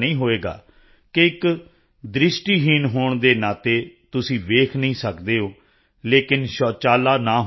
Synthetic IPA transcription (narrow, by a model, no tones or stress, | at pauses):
nĩːɦoːeːɡa̰ː | keɪk | d̪ɾɪʃʈiːɦiːnɦoːɳd̪eːnaːt̪eːt̪ʊsĩːʋeːkʰnəĩːsəkd̪eːɦoː | leːkɪnʃɔːt͡ʃaːlaːnãːɦ